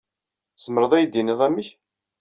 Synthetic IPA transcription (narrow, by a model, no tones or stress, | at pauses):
səməɾəðˤæjd̪iniðˤæmːiç